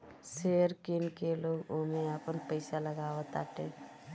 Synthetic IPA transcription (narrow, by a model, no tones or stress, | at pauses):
seːəɾkɪnkeloːɡoːmẽaːpənpəɪsaləɡaːʋət̪a̰ːʈ̪ẽː